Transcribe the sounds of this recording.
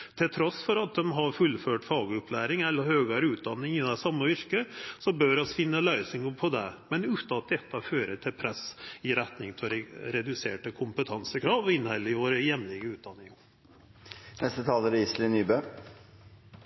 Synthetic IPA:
t̪ʰɪlt̪ʰɾɔsfɔɾɑt̪̚d̪ɛmɦɑɾfʉlːføːʈfɑːɡəʊpʰlæːɾɪŋɛlːəɾhøːɡəɾəʉːt̪̚d̪ɑnːɪŋɪd̪ɛsɑmːəʋɪɾkəsɔbœɾɔsfɪnːəlœʏsɪŋəpʰɔd̪ɛmɛnʉːt̪ɑt̪̚d̪ɛt̪ːɑføːɾəʈʰɪlpʰɾɛsɪɾɛt̪nɪŋp̪ʰɔɾɛd̪ʉseːʈəkʰʊmpət̪ʰɑnsəkʰɾɑːʋɪnhɛlːəɪʋoːɾəjɛmlɪɡəʉːt̪̚d̪ɑnːɪŋə | nɛst̪ət̪ʰɑːləɾɪslɪnyːbø

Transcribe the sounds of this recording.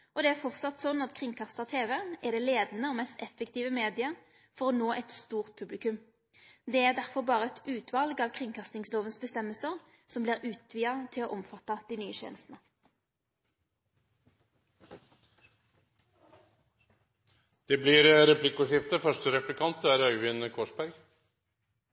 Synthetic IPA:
ɔd̪ɛæʁfɔʁt̪sɑt̪sɔnːɑt̪kʰʁɪŋkʰɑst̪əʁt̪ʰeːʋɛæʁd̪ɛleːd̪nəoːmɛst̪ɛfəkt̪iːʋəmeːd̪ɪə | fɔʁɔnoːʔɛt̪st̪uːʁt̪̚pʰʉblɪkʉm | d̪ɛæʁd̪æʁfɔʁbɑːʁəɛt̪ʰʉːt̪ʰʋɑlɡɑːʋkʰʁɪŋkʰɑst̪ɪŋsloːʋənsbəst̪ɛmːəlsəʁ | sɔmbliːʁʉːt̪ʰʋiːɑt̪ʰɪloʔɔmfɑt̪ːɑd̪̥ɪnyːəçḛːnəst̪n̩ə | d̪̥ɛblɪɾɾɛplɪkʊʂɪft̪əfœʂʈəɾɛplɪkʰɑnt̪æɾœʏʋɪnkʰoːʂbæɾɡ

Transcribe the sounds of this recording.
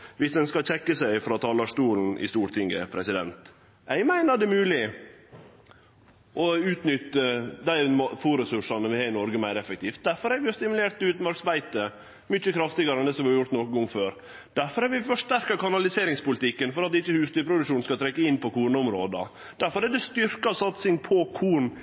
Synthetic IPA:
ʋɪsd̪ɛnskɑc͡çɛkːəsæɪfɾɑt̪ʰɑːlɑʂt̪uːln̩ʔɪ̰st̪uːɾʈ̪ʰɪŋɡə̰pʰɾɛsɪd̪ɛ̰nt̪ | ʔæɪmæɪnəd̪ɛmʉːlɪ | ʔɔʉːt̪nʏt̪ːəd̪æɪmfuːɾɛsʉʂɑnəʋɪhɑːɾɪnɔɾɡəmæɪɾɛfək̚t̪ʰiːft̪̚d̪æɾfɔɾɛɾʋɪjʊst̪ɪmʉleːɾʈ̪t̪ʉːt̪n̩bɑɾksbæɪt̪ə | mʏt͡ʃːəkʰɾɑft̪ɪɡɑɾɛnd̪ɛːsɔmʋɪjʊɾt̪nɔkəɡɔŋføːɾ | d̪̥æɾfɔɾhɛɾʋɪfɔʂʈæɾkɑkɑnɑlɪseːɾɪŋspʊlɪt̪ɪkːənfɔɾɑt̪ɪt͡ʃːəhʉːst̪yɾpʰɾʊd̪ʉkʂuːnskɑt̪ʰɾɛkːəɪnpʰɔkuːɳəʊmɾoːd̪ɑ̰ | d̪̥æɾfɔɾɛd̪ɛst̪ʏɾkɑsɑt̪sɪŋpʰɔkʰuːɳ

